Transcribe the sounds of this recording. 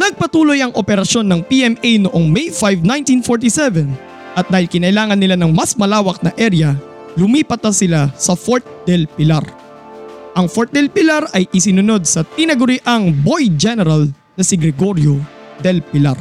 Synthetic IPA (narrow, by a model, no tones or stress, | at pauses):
nɐɡ̚pɐt̪uːlo̞jɐŋʔopɛɾɐʃo̞nːɐŋpiʔɛmʔejnoʔoŋmɛjfajvnaj̃nt̪infoɹt̪isɛvɛn | ʔɐt̪̚d̪aːhɪlkɪnɐʔɪlaːŋɐnːɪlanɐŋmɐsmɐlaːwɐk̚nɐʔɛɾjɐ | lʊmiːpɐt̪̚nɐsɪlasɐfoɹt̪̚d̪ɛlpɪlaɾ | ʔɐŋfoɾt̪̚d̪ɛlpɪlaɾɐjʔɪsɪnʊno̞d̪̚sɐt̪ɪnɐɡʊɾɪʔaŋbo̞jd͡ʒɛnɛɾɐl | nɐsɪɡɾɛɡo̞ɾjod̪ɛlpɪla̰ɾ